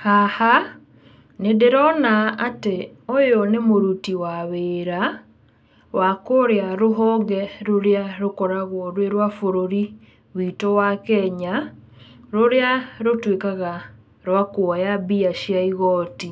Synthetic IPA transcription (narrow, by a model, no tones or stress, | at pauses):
haha | nedeɾɔnaːteojonemoɾutiwaβeːɾa | wʔakoɾeaɾoɦɔːɡɛɾoɾeaɾokɔɾaɣwɔɾweɾwafoɾoɾi | witowakɛɲa | ɾoɾeaɾotwekaɣa | ɾwakojabiaʃjaiɣɔti